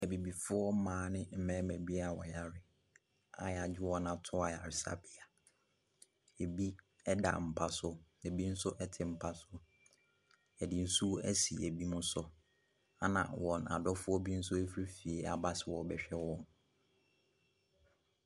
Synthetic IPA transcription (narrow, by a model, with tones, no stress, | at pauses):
æ˨bi˨bi˨fʊ˦ɔ˦mãː˨˦nɪ̃˦m̩˦mɛ̃˦mæ̃˨bi˦a˨wɔ˨ja˨ɾɪ˦˨ | a̰˨ja˨d͡ʑᶣɪ˦wɔ˦nã˨tʰʊ˦a˨ja˨ɾɪ˨sa̰˦bɪ˦˨a˨ | e˨bi˦ | ɛ˦da̰˨m̩˨pʰa˦sʊ˦e˨bi˦n̩˦sʊ˦ʔɛ˦tʰɪ˨m̩˨pʰa˦sʊ˦ | ɛ˨dɪ˨n̩˦su˦æ̰˦sḭ˨æ˨bi˦mʊ̃˦sɔ˦ | a˦nã̰˨wɔ̃˨na̰˨dɔ˦fʊ˦ɔ˦bi˦n̩˦sʊ˦e˦fɾe˦fi˨e˨a̰˨ba˦sɪ˨wɔ˨bɛ˨ɕᶣɛ˦wɔ̃˦n